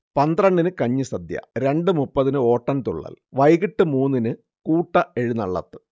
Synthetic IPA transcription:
pɐnd̪rɐɳɖinɨkɐɲːɨsɐd̪jɐ̰ɾe̞ɳɖɨmupːɐðinɨo̞ːʈːɐnt̪uɭːa̰ːlʋɐjɣiʈːɨmuːnːinɨ | kuːʈːɐe̞ɻunɐɭːɐ̰t̪ːɨ̥

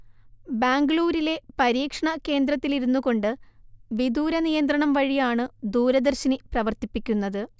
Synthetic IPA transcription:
baːŋɡɭuːɾile̞pɐɾiːkʂɐɳɐke̞ːnd̪ɾɐt̪ːiliɾunːuɣo̞ɳɖɨʋid̪uːɾɐnijɐnd̪rɐɳɐmʋɐɻijaːɳɨd̪uːɾɐd̪ɐrɕɐniprɐʋɐrt̪ipːikʲːunːɐðɨ

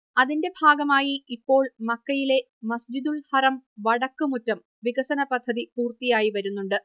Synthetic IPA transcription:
ɐðinde̞bʱaːɡɐmaːjiipːo̞ːɭmɐkːɐjile̞ | mɐsd͡ʑid̪ulhɐrɐmʋɐɽɐkːɨmutːɐm | ʋiɡɐsɐnɐpɐd̪ʱːɐðipuːrt̪ijaːjiʋɐɾunːuɳɖɨ

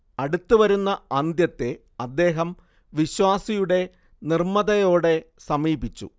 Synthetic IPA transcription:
ɐɽut̪ːuʋɐɾunːɐɐnd̪jɐt̪ːe̞ | ɐd̪ːe̞ːɦɐm | ʋiɕwaːsijuɽe̞ | nirmɐðɐjo̞ːɽe̞sɐmiːbit͡ɕːṵ

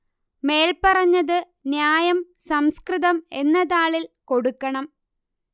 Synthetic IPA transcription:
me̞ːlpɐrɐɲːɐðɨ | njaːjɐm | sɐmskrɨðɐme̞nːɐðaːɭilko̞ɽukːɐɳɐm

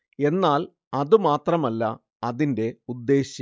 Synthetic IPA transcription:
e̞nːaːl | ɐðumaːt̪rɐmɐlːɐ̰ | ɐðinde̞ud̪ːe̞ːɕjɐ

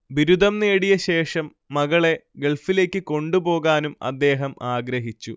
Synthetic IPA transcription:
biɾud̪ɐmneːɽijɐɕe̞ːʂɐmːɐɣɐɭe̞ɡe̞ɭfile̞ːkʲːɨko̞ɳɖubo̞ːɣaːnumɐ̰d̪ːe̞ːɦɐmaːɡɾɐɦit͡ɕːu

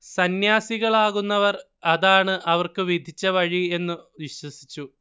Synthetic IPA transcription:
sɐnjaːsiɣɐɭaːɣunːɐʋɐr | ɐðaːɳɨʔɐʋɐrkɨʋid̪ʱit͡ɕːɐʋɐɻie̞nːɨʋiɕwɐsi̥t͡ɕːu

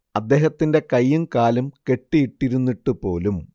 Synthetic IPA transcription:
ɐd̪ːe̞ːɦɐt̪ːinde̞kɐjːumkaːlɐmke̞ʈːijiʈːiɾunːiʈːupo̞ːlum

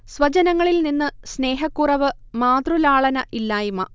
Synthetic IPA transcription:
sʋɐt͡ɕɐnɐŋːɐɭilninːɨsne̞ːɦɐkːurɐʋɨ | maːd̪rulaːɭɐnɐʔilːaːjumɐ

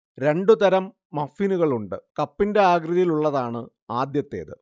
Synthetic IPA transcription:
ɾe̞ɳɖut̪ɐɾɐmː | ɐfiːnuɣɐɭuɳɖɨkɐpːinde̞aːɡrɨðɐjiluɭːɐðaːɳɨ | aːd̪jɐt̪ːḛːðɨ̰

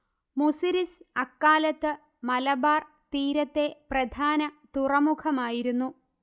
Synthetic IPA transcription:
musiɾisɐkːaːlɐt̪ːɨ | mɐlɐbaːr | t̪iːɾɐt̪ːe̞prɐd̪ʱaːnɐt̪urɐmukʰɐmaːjiɾunːu

